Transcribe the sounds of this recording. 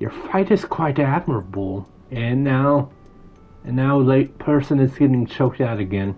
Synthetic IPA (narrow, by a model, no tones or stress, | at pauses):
jə˞faɪɾɨz̥kʰw̥aɪɾæd̚mə˞əbl̩ˠ | ɨ̃nːaʊ | ɨ̃nːaʊlaɪt̚pʰɜ˞sɨ̃nɨzɡɛɾɪ̃ŋt͡ʃʰoʊk̚taʊɾɨɡɛ̃n